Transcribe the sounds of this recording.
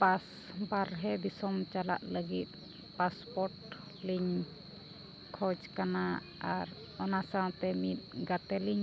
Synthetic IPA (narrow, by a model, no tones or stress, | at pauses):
pas | baɾɦɛd̪isɔmt͡ʃala̰ʔləɡit̪̚ | paspɔɾʈ | liɲ | kʰɔd͡ʒkana | aɾ | ɔnasãwt̪ɛmit̪̚ˀɡat̪ɛliɲ